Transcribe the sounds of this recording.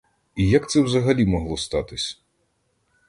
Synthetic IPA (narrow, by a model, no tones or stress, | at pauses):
ijɐkt̪sɛwzɐɦɐlʲimɔɦlˠɔst̪ɑt̪ɪsʲ